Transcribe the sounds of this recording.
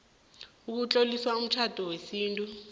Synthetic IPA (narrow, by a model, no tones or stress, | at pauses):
uk̬ut͡ɬʼoliswaum̩t͡ʃʰad̥ʱɔwesiːntʼu